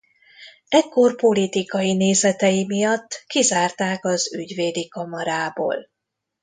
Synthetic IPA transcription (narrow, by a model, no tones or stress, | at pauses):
ɛkːo̞rpo̞lit̪ikɒjineːzɛt̪ɛjimijɒt̪ːkizaːrt̪aːkɒzyɟʋeːd̪ikɒmɒɾaːbo̰ːl